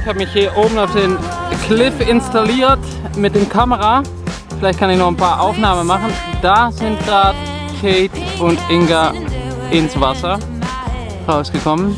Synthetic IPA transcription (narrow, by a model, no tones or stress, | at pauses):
ɪçhaːbəmɪçhiːɐʔoːbm̩aʊfd̥eːn | kʰlɪfɪnstaliːɐt | mɪt̚d̥eːmkʰaməʁa | fɪlaɪçt̚kʰanɪçnɔχnpʰaːɐʔaʊfnaːmənmaχn̩ | d̥azɪnt̚d̥aːt | kʰeːtʊntʔɪŋɡa | ʔɪnsv̥asɐ | ʁaʊsɡ̥əkʰɔmən